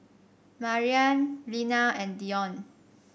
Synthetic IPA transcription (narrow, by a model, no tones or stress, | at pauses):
maɹiãnlinaɛ̃ndiɔ̃n